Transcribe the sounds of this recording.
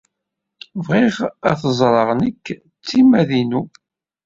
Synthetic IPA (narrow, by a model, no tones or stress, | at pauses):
vʁiʁæθəzˤɾˤɑʁnəkː | t͡sːimæðinu